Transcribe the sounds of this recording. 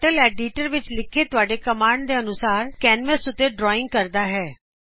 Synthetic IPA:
ʈəlɛːɖiːʈəɾʋɪt͡ʃlɪkʰeːt̪ʊaːɖeːkəmaːɳɖd̪eːənʊsaːɾkɛːnʋəsʊt̪ːeːɖɾɔːɪ̃ŋɡ̚kəɾd̪aːɦɛː

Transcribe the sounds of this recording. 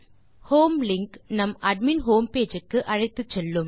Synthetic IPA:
hoːmlɪŋknɐmɐɖ̚minɦoːmpeːd͡ʒɯkːɯʔɐɻɐɪt̪ːɯt͡ʃːɛlːɯm

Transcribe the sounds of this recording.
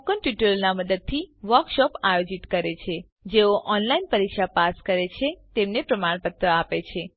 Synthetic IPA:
kənʈjuʈəlnaməd̪əd̪̚t̪ʰiʋəɾkʃɔpajod͡ʒit̪kəɾet͡ʃʰe | d͡ʒeoʔɔnlainpəɾikʃapaskəɾet͡ʃʰet̪emnepɾəmaɽ̃pət̪ɾəapet͡ʃʰe

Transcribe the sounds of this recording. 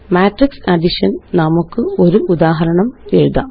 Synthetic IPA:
maːʈriksɐɖiʂɐnnɐmukːɨo̞ɾuʔud̪aːɦɐɾɐɳɐmeɻuðaː

